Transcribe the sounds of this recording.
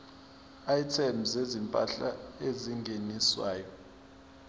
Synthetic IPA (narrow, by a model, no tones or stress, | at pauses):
ajtʰɛmzezimpʼa̰ɬaeziŋɡʱeniswaːjɔ